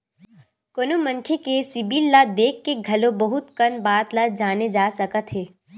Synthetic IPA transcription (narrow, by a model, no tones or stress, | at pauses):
konomə̃ŋkʰekesɪbiːlːad̪eːkʰːeɡʱɐlõbɐɦʊt̪kɐnbaːt̪lad͡ʒaːned͡ʒaːsɐkət̪ɦeː